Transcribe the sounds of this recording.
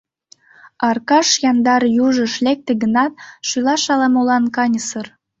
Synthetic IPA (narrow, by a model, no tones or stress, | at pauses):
ɑrkɑʃjɑnd̪ɑɾjuʒəʃlek̚t̪eɡənɑt̪̚ʃylɑʃɑlɑmolɑnkɑnʲəsər